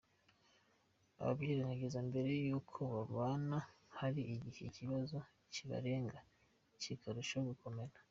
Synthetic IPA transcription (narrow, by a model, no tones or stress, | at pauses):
a̰βa̰bɡiːɾanaɡezambe̞ɾe̞juːkʰo̞βaβaːnahaɾiːɟiheciβazo̞ | ciβa̰ɾe̞ːŋɡa | cikaɾuʃoɡuko̞me̞ɾa